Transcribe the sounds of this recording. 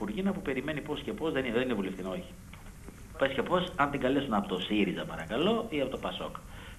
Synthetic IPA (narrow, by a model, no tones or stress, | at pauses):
uɾʝinɐpupe̞ɾime̞nipo̞sce̞po̞zðenðeninevuleftθinooçi̥ | pescepo̞sɐnt̪iŋɡɐlesunɐpo̞t̪osiɾizɐpɐɾɐkɐlo̞iɐpo̞t̪opɐso̞̰k